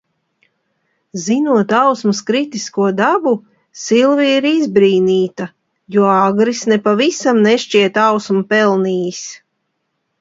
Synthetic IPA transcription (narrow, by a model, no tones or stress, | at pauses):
zinuɔt̪awsmuskɾit̪iskuɔd̪abu | silˠviiɾizbɾiːniːt̪a | juɔaɡɾisnepavisamnɛʃt͡ʃiɛt̪awsmupɛlˠniːjis